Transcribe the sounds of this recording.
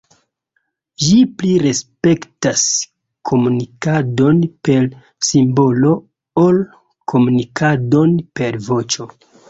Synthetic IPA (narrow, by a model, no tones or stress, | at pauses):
ʒipliɾe̞spe̞ktas | kʰo̞munikado̞npe̞l | simbo̞lo̞ | ol | kʰo̞munikʰado̞npe̞ɾvo̞t͡ʃo̞